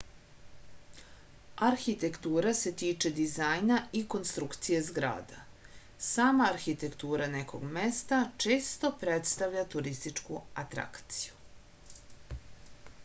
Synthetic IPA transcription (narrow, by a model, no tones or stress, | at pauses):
aɾxit̪e̞kt̪uːɾase̞t̪iːt͡ʃe̞d̪izajnaiko̞nst̪ɾukt̪sijezɡɾa̰ːd̪a | saːmaːɾxit̪e̞kt̪uːɾanekʰo̞̰ɡmest̪at͡ʂeːst̪o̞pɾet̪st̪aʋʎʲat̪uɾist̪it͡ʂkuat̪ɾa̰kt̪si̥ju